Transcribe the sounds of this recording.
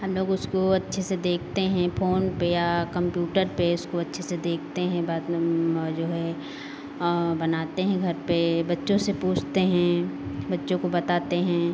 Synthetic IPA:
ɦɐmloːɡʊskoɐtːʃʰesed̪eːkʰt̪eɦɛ̃poːnpejakɐ̃mpjuːʈəɾpeʊskoɐtːʃʰesed̪eːk̚ʰt̪eɦɛ̃ba | d͡ʒoːɦɛ | bɐnaːt̪eɦɛ̃ɡʱɐɾpebɐtːʃõsepuːt͡ʃʰt̪eɦɛ̃bɐtːʃõkobɐt̪aːt̪eɦɛ̃ː

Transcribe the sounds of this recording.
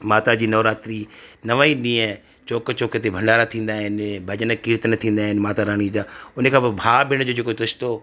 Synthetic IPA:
maːt̪ad͡ʑiːnɔːɾaːt̪ɾinɐʋaːiɗĩːə̃ | t͡ɕoːkt͡ɕoːket̪ebʱɐ̃ɳɖaːɾat̪ʰĩːn̆d̪aːɦɪnɪbʱɐd͡ʑənkiːɾt̪nɐt̪ʰĩːnd̪aːɦɪnɪmaːt̪aɾaːɽ̃id͡ʑaːʊnəkʰãːbɪbʱaːbɪɽ̃d͡ʑoːd͡ʑeːkot̪ʊst̪o

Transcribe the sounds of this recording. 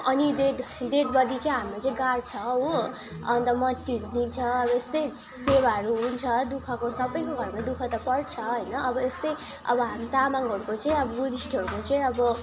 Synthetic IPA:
ʌnid̪ed̪eɖbʌd̪it͡saĩɦamlet͡saĩɡart͡sʰʌɦõ | ʌnt̪ʌmʌt̪ːid̪int͡sʰʌʌbʌest̪ʌj | sewaɦʌɾuɦunt͡sʰʌd̪ukʰʌkosʌbʌjkoɡʱʌɾmad̪ukʰʌt̪ʌpʌɽt͡sʰʌɦʌjnʌʔʌbʌest̪ʌj | ʌ̰bʌɦamit̪amaŋɦʌɾukot͡saĩʌbʌɡud̪isʈʰʌɾukot͡saĩʌbʌ

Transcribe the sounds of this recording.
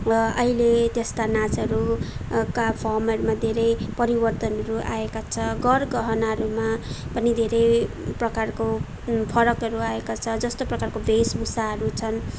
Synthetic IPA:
ʌʌɦilet̪eskanat͡sʌɾukapʰʌmʌɾumad̪ʱeɾʌjpʌɾibʌrt̪ʌnʌɾuʔa̰ekat͡sʰʌɡʌrɡʌɦʌnaɾumapʌnid̪ʱeɾʌj | prʌkarko | pʰʌɾʌkɦʌɾuaekat͡sʰʌd͡zʌst̪oprʌkarkobʱesbusaɦʌɾut͡sʰʌn

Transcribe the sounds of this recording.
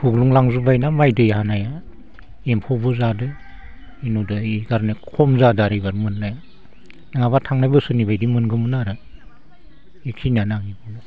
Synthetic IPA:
huɡluŋlaŋzubajnamajdɯiɦanaja | empʰɔbɯzadɯ | inudɯiɡaɾnikʰɔmzadaɾijbaɾmɯnːaja | nɯŋabatʰaŋnajbɯsɯnibajdimɯnɡɯmɯnaɾɯ | ekʰinanaŋibɯja

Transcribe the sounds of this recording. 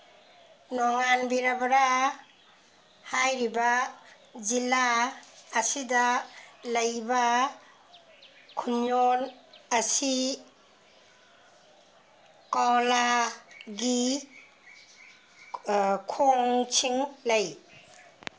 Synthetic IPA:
nɔŋanbiɾabɾa | hajɾiba | zilaː | sidalɐjba | kʰunjonɐsi | kawla | ɡi | kʰoŋt͡ʃʰiŋlɐj

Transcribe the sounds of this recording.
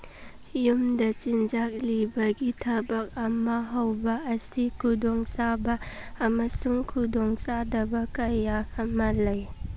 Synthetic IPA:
jumdɐt͡ʃind͡ʒak̚libɐɡitʰɐbɐk̚ɐmɐɦɐwbɐːsikʰudɔŋsabɐːmɐsuŋkʰudɔŋsadɐbɐkɐjaɐmɐlɐj

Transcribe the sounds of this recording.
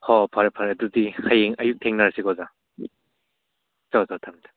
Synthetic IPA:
hɔpʰaɾpʰaɾɐdudihajeŋɐjuk̚tʰeŋnaɾsiɡɔza | tɔzɔtʰamta

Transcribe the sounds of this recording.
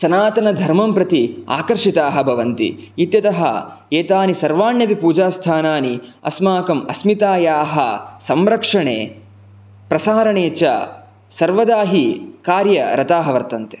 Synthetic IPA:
sɐnaːt̪ɐnɐd̪ʱɐɾmɐmpɾɐt̪ia̰ːkɐɾʂit̪aːɦɐbʱɐʋɐnt̪ḭit̪jɐt̪ɐɦɐ̰ | eːt̪aːnisɐɾʋaːnjɐʋipuːd͡ʒaːst̪ʰaːnaːniɐ̰smaːkɐmɐsmit̪aːjaːɦɐ̰sɐmɾɐkʂɐɳḛː | pɾɐsaːɾɐɳeːt͡ʃɐ̰ | sɐɾʋɐd̪aːɦikaːɾjɐɾɐt̪aːɦɐʋɐɾt̪ɐnt̪e̥

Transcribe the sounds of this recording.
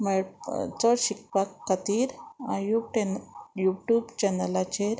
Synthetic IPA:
meɭt͡sɔɽɕik̚pakːət̪iːɾa̰juʈejuʈjubt͡ɕɛnəlat͡ɕeɾ

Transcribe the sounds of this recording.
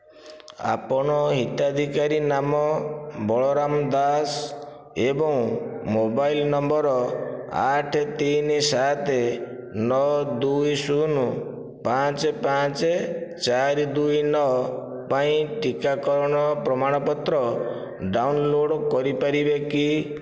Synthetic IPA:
a̰pɔɽ̃ɔɦit̪ad̪ʱikaɾinamɔbɔɭɔɾamd̪as | ebɔŋmobajlnɔmbɔɾɔa̰ʈʰet̪insat̪ʰe | nɔd̪ujsunu | pãt͡ʃepat͡ʃet͡ʃaɾid̪ujnɔ | paĩʈikakɔɾɔɽ̃ɔpɾɔmaɽ̃ɔpɔt̪ɾɔ | ɖawnloɽkɔɾipaɾibeki

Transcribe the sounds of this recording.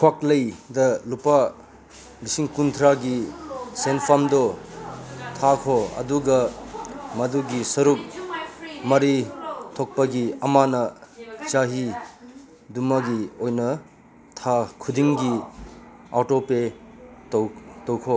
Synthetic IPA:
kʰwaklɐjdɐlupa | lisiŋkunt̪ʰɾaɡisenpʰamdɔ | t̪ʰakʰoɐ̰duɡɐ | mɐduɡisɐɾuk̚ | mɐɾit̪ʰok̚pɐɡiɐmanɐt͡ʃaɦi | dumɐɡiojnɐ | tʰakʰud̪iŋɡi | atope | towkʰo

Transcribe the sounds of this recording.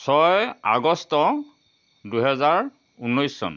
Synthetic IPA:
sɔja̰ɡɔstɔ | duɦɛzaɹ | unːɔjsːɔ̰n

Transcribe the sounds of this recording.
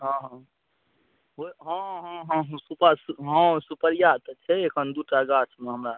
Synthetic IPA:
ɦɔ̃ɦɔ̃ | ɦoɦɔ̃ɦɔ̃ɦɔ̃ɦsupasɦɔ̃supəɾijat̪t͡ʃʰɛekʰənd̪uʈaɡat͡ʃmeɦəmɾa

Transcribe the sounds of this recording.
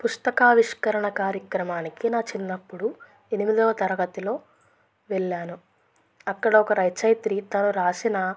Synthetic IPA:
pust̪ɐkaːʋiʂkɐɾɐɳɐkaːɾjɐkɾɐmaːnikinaːt͡ʃinːɐpːuɽu | e̞nimid̪ɐːɐt̪ɐɾɐɡɐt̪ilo̞ː | ʋɛɭːaːnu | ɐkːɐɽɐɔkɐɾɐjt͡ʃɐjt̪ɾit̪ɐnuɾaːsinɐ

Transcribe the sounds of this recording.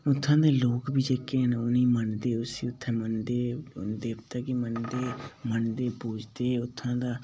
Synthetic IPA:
ʊt̪ʰːãːd̪eːloːkbiːd͡ʒeːkeːnonĩːməɳd̪eːʊsiːʊt̪ʰːẽːmənd̪eːd̪eːpʰt̪aːkɪmənd̪eːməɳd̪eːpuːd͡ʒd̪eːʊt̪ʰːãːd̪aː

